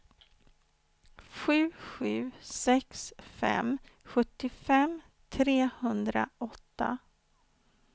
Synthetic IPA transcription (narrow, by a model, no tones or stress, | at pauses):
ɧʉ̟ːɧʉ̟ːsɛksfɛ̰mɧɵt̪ːɪfɛm | t̪ʰɾeːhɵnd̪ɾa̰ʔɔt̪ːa̰